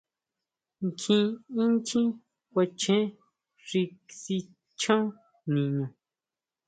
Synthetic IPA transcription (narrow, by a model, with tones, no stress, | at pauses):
ŋ˨kʰĩ˦˧ĩ˦nt͡ʃĩ˦ | kʷa˧t͡ʃẽ˦ | ʐi˧ksi˧ | t͡ʃã˦ | nĩ˨ɲõ˨